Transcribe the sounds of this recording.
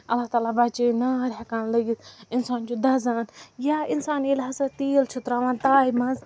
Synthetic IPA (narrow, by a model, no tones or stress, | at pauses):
ɐlːaht̪aːlabat͡ʃenaːɾɦɐkaːnlɐɡisɪnsaːnd͡ʒod̪ɐzaːnjaːɪnsaːnilɦɐsat̪iːlt͡ʃʰʊt̪ɾaːʋãːnt̪aːimãz